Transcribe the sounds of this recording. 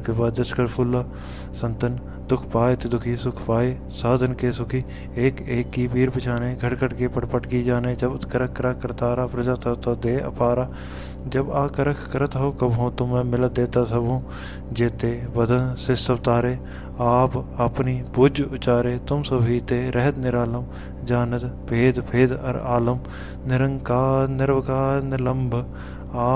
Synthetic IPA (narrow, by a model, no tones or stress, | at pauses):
kebaːd̪ːəʃkəɾpʰʊlːaː | sə̃nt̪ən | d̪ʊkʰpaːet̪ed̪ʊkʰiːsʊkʰpaːeː | saːd̪ʱənkesʊkʰiː | eːkeːkːiːpiːɾpɪt͡ʃʰaːneːɡʱəʈkəʈkepəʈpəʈkid͡ʒaːneːd͡ʒəbt̪kəɾəkkːəɾəkkːəɾt̪aːɾaːpɾəd͡ʒaːt̪at̪od̪eːə̰paːɾaː | d͡ʒəbaːkəɾəkʰkəɾət̪ɦokəbɦõːt̪omɛ̃ːmɪlət̪̚d̪eːt̪aːsəbũː | d͡ʒeːt̪eːbəd̪ənsesəbt̪aːɾeː | aːpəpniːpʊd͡ʒʊt͡ʃaːɾeːt̪ʊmsəbʱit̪eːɾʔɛɦət̪nɪɾaːləm | d͡ʒaːnət̪pʰeːd̪pʰeːd̪ə̰ɾaːləm | nɪɾəŋkaːnɪɾʋkaːnləmbʱ | aː